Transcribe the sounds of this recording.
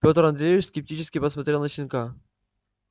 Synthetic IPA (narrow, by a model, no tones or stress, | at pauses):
pʲo̞t̪ɾɐnd̪ɾʲejʲɪfskʲɪp̚tʲit͡ɕɪskʲɪpəsmɐt̪ɾʲenət͡ɕɪnʲka